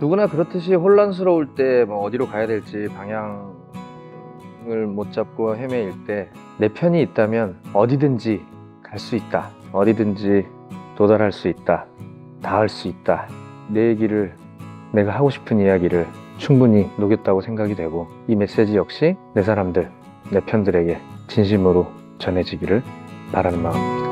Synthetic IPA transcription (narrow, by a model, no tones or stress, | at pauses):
nuɡunakɯɾʌtʰɯɕ̬ʰiɸoɭːans̬ʰɯɾʌuɭt͈e̞mwʌʌdiɾokajadwe̞ɭt͡ɕ͈ipaŋɦjaŋ | ɯɭmot͡ɕ͈ap̚k͈oɦeme̞iɭt͈e̞ | ne̞pʰjʌɲiːt̚t͈amjʌnʌdidɯnd͡ʑi | kaɭs͈uit̚t͈aʌdidɯnd͡ʑi | todaɾɦaɭs͈uit̚t͈a | taaɭs͈uit̚t͈a | ne̞ɡiɾɯɭ | ne̞ɡaɦaɡoɕʰi̥pʰɯnijaɡiɾɯɭt͡ɕʰuŋbuɲinoɡjʌt̚t͈aɡosʰe̞ŋɡaɡidwe̞ɡo | ime̞s͈e̞d͡ʑijʌk̚ɕ͈ine̞s̬ʰaɾamdɯɭ | ne̞pʰjʌndɯɾe̞ɡe̞t͡ɕinɕ̬ʰimɯɾo | t͡ɕʌnɦe̞d͡ʑiɡiɾɯɭpaɾanɯnmamɲd̥a